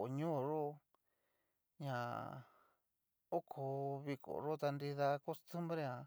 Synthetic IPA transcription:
ɲũː˦˨ʐo˦ | ɲã˧˨ | o˦kʰo˧βi˧kʰo̰˨ʐo˦t̪a˧ndi˧ða˧ko˦st̪u˦mbɾe˧ã˨

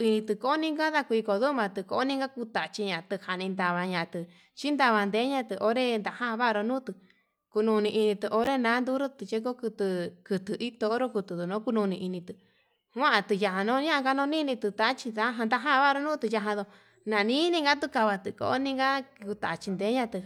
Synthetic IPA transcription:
i˧nĩ˧t̪ɨ˧ko˦o˦nĩ˦ŋɡa˦ða˧kʷi˧ko˧ðu˦mã˧t̪ɨ˧ko˧˦o˦nĩ˦ŋɡa˦ku˧t̪a˨t͡ʃi˧ɲã˨t̪ɨ˧ha˧˨nĩ˧nd̪a˧βa˧ɲã˨˧t̪ɨ˧ | t͡ʃi˦nd̪a˧βa˧nd̪e˧˦ɲã˧t̪ɨ˧ʔo˧˦ɾe˦nd̪a˧˨hã˦˧βa˦˧ɾo˧nũː˦t̪ɨ˧ | ku˧nũ˧nĩ˧ʔi˧nĩ˧t̪ɨ˧ʔo˧ɾe˦nãː˨˦nd̪u˦ɾo˦t̪ɨ˧t͡ʃe˦k̬o˦kɨ˧t̪ɨ˧kɨ˧t̪ɨ˧ʔi˦t̪o˧˦ɾo˦ku˧t̪ɨ˨ðu˨nõ˨˦ku˧nũ˧nĩ˧ʔi˧nĩ˧t̪ɨ˧ | wʷã˦ʔa˧t̪ɨ˧ja˧ɦã˧nõ˦ɲã˦ʔɡa˧nõ˧˦nĩ˦˧nĩ˧t̪ɨ˧t̪a˧˦t͡ʃi˧t̪a˧˦ɦa˧d̪a˧ɦã˦˧βa˦˧ɾo˧nũ˦t̪ɨ˧ja˧ɦã˧ðo˧ | nã˨nĩ˦nĩ˧ŋɡa˦t̪̬u˦ka˧βa˧t̪ɨ˧ko̰˨o˦nĩ˦ŋɡa˦ku˧t̪a˨t͡ʃi˧nd̪eː˨˦ɲã˧t̪ɨ˧

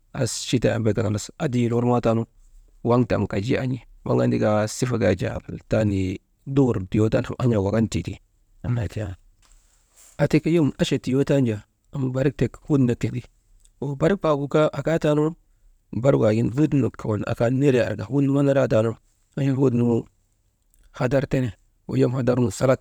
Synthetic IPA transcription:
a̰˨ʃi˦ta˨a̰˨mba˨ɡa˨a˨na˨sa˨di˨lo˦ɾma˦ta˦nu˦ | wa˦ŋta̰˨m˨ka˨d͡ʒi˦a˦ɲi˦wa̰˦ɡa˦ndi˦ɡa˦si˦fa˦ɡa˨d͡ʒa̰˨b̰ta˦ni˨ | do˦˨ɾti˨o˦ta˦n˨ʔa˦ɲa˨wa˨ɡa˦ntḭ˨tḭ˨ | a˨ma˨ti˦ja˦˨ | a˨ti˦ka˦ji˦ma˦ʃe˨ti˨jo˦ta˦nd͡ʒa˨ | a˨m˨ba˨ɾi˦k̚te˨khu˦dna˨kːe˨di˦ | wo˨ba˦ɾi˦k̚pa˨ku˨ka˦ʔa˨ka˦ta˦lu˦ɾ | ba˦ɾɡa˨ɡi˦nvu˦dnu˨ka˨wo˨n˨a̰˨ka˦ne˦ɾe˦˨a̰˨ɾɡa˨hu˦nu˦ma˦na˦ɾa˦˨ta˨lu˦ɾ | a˦ji˦n˦wu˦dnu˨˦mu˦ | ha˨da˦ɾte˦ne˨ | o̰˨ja˦mha˨da˦ɾnu˨sa˦la˦k̚

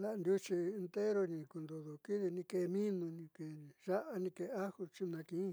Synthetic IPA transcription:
la˨˧nd̪u˧t͡ʃi˧e˧nt̪e˦ɾo˧nĩ˧ku˧nd̪o˧˨ðo˨ki˦ði˧nĩ˧ke˧˨˧mĩ˦nũ˧nĩ˧ke˨ʒa˦ʔa˧nĩ˧ke˨˧a˦hu˧t͡ʃi˦˧nã˧kĩ˨˦˧

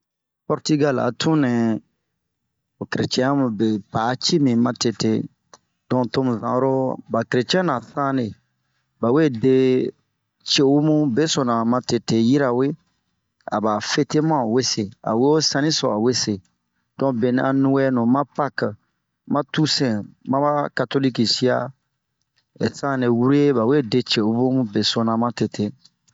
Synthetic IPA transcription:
pɔ˨ɾti˦ɡa˦la̰˨tʰũ˦nɛ̃˨ | o˨kɾe˨t͡ʃɛ̃˦a˦mũ˨be˨paː˨˦t͡ʃi˦mĩ˨mã˨te˨te˨ | dɔ̃˧˨to˦mũ˨vã̰˨˦ɾo˦ba˨ke˨ɾe˨t͡ʃɛ̃˦nã˨θã˦ne˨ | ba˨we˦˨de˦ | t͡ʃe˨wu˦mũ˦be˦sɔ˨nã˨mã˧te˨te˨ji˦ɾa˨we˦ | a̰˨ba˨fe˦te˦mã˦˨we˦se˨a̰˨we˦o˦sã˦nĩ˦sɔ̰˨a˨we˦se˨ | d̥ɔ̃˦be˨n˨a˨nũ˦wɛ˦nũ˨mã˦pa˦k | mã˦tu˦sɛ̃˨mã˦ba˦ka˨to˦li˦ki˨si˦a˦ | e˨sã˦ne˨wu˦ɾe˦e˦ba˨we˦˨de˦t͡ʃe˨u˦bũ˦mũ˦be˨sɔ˨nã˨mã˦te˨te˨

